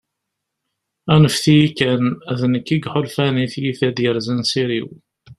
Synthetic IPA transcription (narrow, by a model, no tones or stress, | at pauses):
ænəfθijikːænæðnəkːiɡħolfæniθjiθæd̪jəɾzænsiɾiw